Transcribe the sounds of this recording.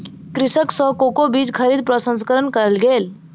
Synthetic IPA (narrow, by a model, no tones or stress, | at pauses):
kɾɪsəksɔkokobiːd͡ʒkʰəɾiːd̪̚pɾəsə̃nskəɾənkəɾəlɡeːl